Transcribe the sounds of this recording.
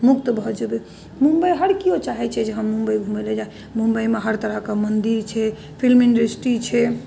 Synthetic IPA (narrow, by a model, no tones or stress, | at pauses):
muk̚t̪bʱɔd͡ʒebe | mumbəjɦəɾkiot͡ʃaɦɛt͡ʃʰɛd͡ʒeɦəmːumbəiɡʱumeled͡ʒae | mũmbəimeɦəɾt̪əɾəɦkemənd̪iɾt͡ʃʰɛ | pʰilminɖɾəsʈit͡ʃʰɛ